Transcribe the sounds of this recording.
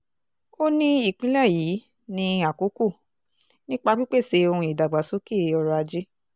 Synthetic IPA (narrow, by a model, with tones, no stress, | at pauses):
o˦nĩ˦i˦˨k͡pĩ˨˦lɛ˦˨jiː˨˦ | nĩ˧a˨ko˨˦ko˦˨ | nĩ˦k͡pa˧k͡pi˦k͡pe˦˨se˧o˧hũ˧i˨da˨ɡ͡ba˨so˨˦ke˦˨˦ɔ˧ɾɔ˧a˧d͡ʒe˦